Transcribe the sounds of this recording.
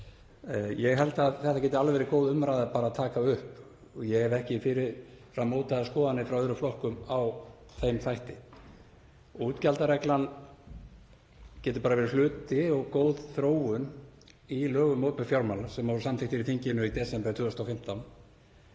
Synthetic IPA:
jɛɣɦɛlt̪aðθɛht̪acɛːt̪ɪalvɛɾɪkoːwðʏmɾajðapaːɾaðt̪ʰaːkaʏhp | ɔjɛɣhɛvɛhcɪfɪɾɪɾfr̥amːoːwt̪aðaskɔːðanːɪfɾawœðɾʏflɔhkʏmaw | θejmθajht̪ɪ | uːt̪calt̪aɾɛklan | cɛːt̪ɪ̥paɾavɛːɾɪlʏːt̪ɪɔɣkoːwð̥θɾoːwʏn | ilœːɣʏmowpʏfjawɾmalasɛmːɔɾʏsamt̪ɪht̪ɪɾiθiɲcɪnʏit̪ɛsɛmpɛt̪ʰʏːʏst̪afɪm̥t̪awn

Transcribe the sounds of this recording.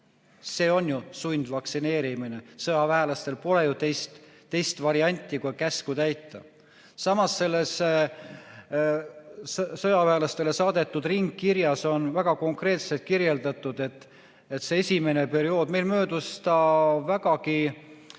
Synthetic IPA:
se̞ːo̞njusunʲd̪̥vɑksine̞ːɾimine̞sɤjɑvæɦelɑst̪e̞lpo̞le̞jut̪ejst̪ː | e̞jst̪vɑɾiɑnʲt̪ʲˑːikukæskut̪æjt̪ːɑ | sɑmɑsːe̞lːe̞s | sɤjɑvæelɑst̪e̞le̞sɑːd̪̥e̞t̪ːˑud̪̥riŋɡːiɾjɑso̞nvæɡ̥ɑko̞ŋkre̞ːt̪se̞lt̪̚kiɾje̞ld̪ɑt̪ːˑud̪̥e̞t̪ːˑ | et̪se̞esʲime̞ne̞pe̞ɾio̞ːd̪̥me̞jlmø̞ːd̪̥ust̪ɑvæɡ̥ɑki

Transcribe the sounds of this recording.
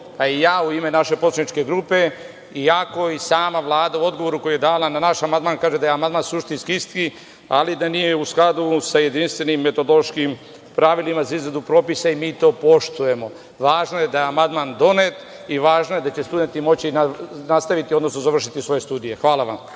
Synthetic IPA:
paijaːuime̞naʃe̞poanit͡ʃke̞ɡɾupe̞ | iako̞isaːmaʋlˠaːd̪auo̞d̪ɡoʋo̞ɾuko̞juje̞d̪aːlananaʃamand̪maːnkaːʒed̪ajeamand̪maːnsuʃt̪inskiist̪ki | a̰lid̪anijeusklad̪usaje̞d̪inst̪ʋe̞nimːe̞t̪o̞d̪oloʃkim | pɾaʋilimazaizɾad̪upɾo̞ːpisaimiːt̪o̞ːpo̞ʃt̪uje̞mo̞ | ʋaːʒnojed̪ajeamand̪mand̪o̞ne̞t̪ | iʋaːʒnoje̞d̪at͡ɕe̞st̪ud̪e̞nt̪imo̞t͡ɕinanast̪aʋit̪io̞d̪no̞snozaʋr̩ʃit̪isʋo̞jest̪uːd̪ije̞xʋaːlˠaʋa̰m

